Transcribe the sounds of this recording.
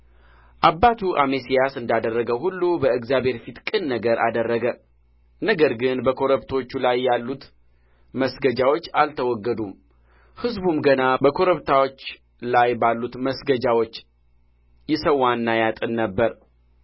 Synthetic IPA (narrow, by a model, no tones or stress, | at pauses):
ʔabːat̪ʰuʔamesijasɨnd̪ad̪ərːəɡəhulːubəɨɡzjabhe̞ɾfit̪kʼɨnːəɡəɾʔa̰d̪ərːəɡə | nəɡəɾɡɨnbəkʰo̞ɾəβt̪ʰot͡ʃːulajːalːut̪ | məsɡəd͡ʒawo̞t͡ʃːalt̪ʰəwɔɡːəd̪um | hɨzbumɡənabəkʰo̞ɾəβt̪ʰawot͡ʃː | lajbalːut̪məsɡəd͡ʒawot͡ʃː | jɪsəwːanːajat̪ʼɨnːəbːəɾ